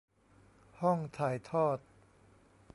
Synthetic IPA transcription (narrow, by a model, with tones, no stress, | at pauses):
hɔ˥˩ŋt̪ʰaː˨˩jt̪ʰɔː˥˩t̪̚